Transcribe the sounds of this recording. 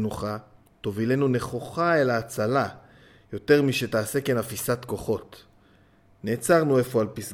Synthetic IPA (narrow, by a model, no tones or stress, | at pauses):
nuχa | to̞vile̞nuneχoχaelaːt͡sala | jo̞te̞ʁmiʃe̞taːsekenafisat̪ko̞χo̞t | ne̞ːt͡saʁnue̞fo̞alpis